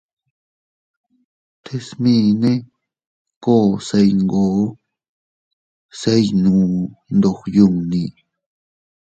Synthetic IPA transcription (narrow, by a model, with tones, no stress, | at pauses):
t̪ʰe˧smĩ˧nẽ˦ | ko˦˨se˧jŋɡoː˨˦ | se˦jnũː˨nd̪o˧xju˧ŋnĩ˧˨